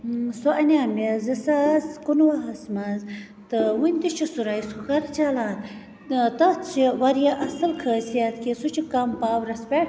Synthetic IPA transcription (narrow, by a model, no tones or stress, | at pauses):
soʔɐnʲaːmezɐsaːzkunwɐɦɐsmɐz | t̪ɨwunʲt̪it͡ʃʰisuɾajsukɐɾt͡ʃalaːn | t̪ɐt̪t͡ʃʰiwɐɾjaʔɐsɐlkʰəːsijɐt̪kisut͡ʃʰikɐmpaːwɾɐspʲeʈ